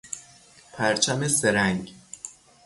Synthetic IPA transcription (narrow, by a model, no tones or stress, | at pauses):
pʰæɾt͡ʃʰæmeseɾæŋɡ